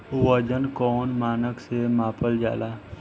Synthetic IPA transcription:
wəd͡ʒənkɔːnmaːnəksemaːpəld͡ʒa̰ːlaː

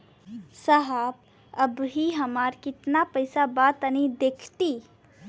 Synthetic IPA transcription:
səɦab | ɐbɦiɦəmaːɾkɪt̪napəɪsabaːt̪ənid̪eːkʰt̪i

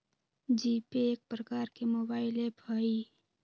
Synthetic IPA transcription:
d͡ʒiːpeːk̚pɾəkaːɾkemoːbaːɪlebʰʱaːi

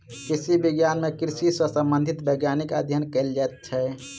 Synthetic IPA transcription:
kɾisibiɡjanmekɾisisəsəmbə̃nd̪ʱit̪bəɪɡjanikəd̪ʱjənkəld͡ʒaɛt̪̚t͡ʃʰɛ

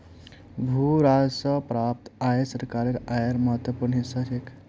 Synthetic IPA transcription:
bʱuɾaːd͡zsɔpɾaːp̚t̪ajesəɾkaːɾeɾajeɾməɦət̪wəpuːɾɳɦisaʃʰek

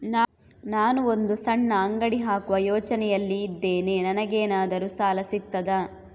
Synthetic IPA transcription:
na | naːnuo̞nd̪usɐɳːɐːŋɡɐɽiɦaːkuʋɐjɔːt͡ʃɐnɛjɐlːiːd̪ːeːneːnɐnɐɡeːnaːd̪ɐɾusaːlɐsit̪ːɐd̪ɐ

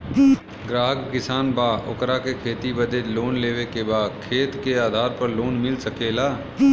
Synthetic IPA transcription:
ɡɾaːɦəkːɪsaːnbaːʔo̰kɾakekʰeːt̪ibəd̪eloːnleːʋekebaːkʰeːt̪keaːd̪ʱaːɾpəɾloːnmɪlsəkeːlaː

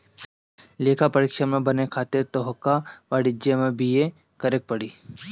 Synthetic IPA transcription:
leːkʰapɐɾɪkʃəmẽbɐnekʰaːt̪et̪oɦkaʋaːɽɪd͡ʒemẽbʱije | kɐɾek̚pɐɽiː

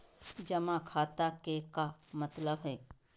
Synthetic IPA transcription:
d͡ʒɐmãkʰaːt̪akekamɐt̪ləbɦɛː

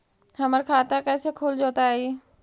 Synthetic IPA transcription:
hɐməɾkʰaːt̪akɛːsekʰuːld͡ʒoːt̪ai

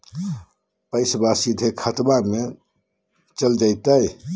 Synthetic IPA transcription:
pəɪsbasid̪ʱekʰət̪bame | t͡ʃəld͡ʒajt̪əj

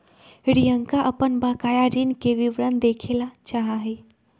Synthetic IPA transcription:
ɾijəŋkaʔəpənbakajaɾinkeʋiʋɾənd̪ekʰelat͡ʃaɦaɦe

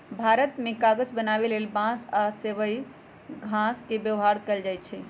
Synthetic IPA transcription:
bʱaɾət̪mekaɡəd͡ʒbənaβelelbãsaseʋəj | ɡʱãskebjəʋɦaɾkəld͡ʒajt̪t͡ʃʰɛ

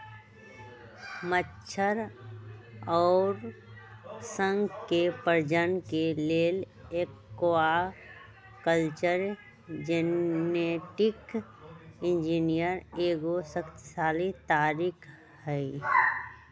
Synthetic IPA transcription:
mətːʃʰəɾ | ɔːɾ | sə̃ŋɡkepəɾd͡ʒənkeleːl | ekːoa | kəlt͡ʃəɾ | d͡ʒeneʈɪk | ɪ̃nd͡ʒinijəɾeːɡosəkt̪saːlit̪aːɾiːkʰ | hɛi

